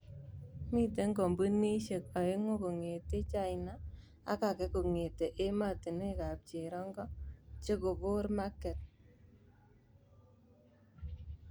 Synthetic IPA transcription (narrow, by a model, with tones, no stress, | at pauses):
mi˦te˦ŋɡɔ˨mbu˦ni˦ʃe˨ka˨e˦ŋo˦ko˨ŋe˨te˦t͡ʃa˦˨jna˦ | a̰˦ka˨kɛ˦ko˨ŋe˨te˨ʔe˦ma˦˨ti˨ne˦ka˨p̚t͡ʃe˨ɾɔ˦ŋɡɔ˦t͡ʃe˦ko˨bo˦ɾma˦kːɛ˨t̚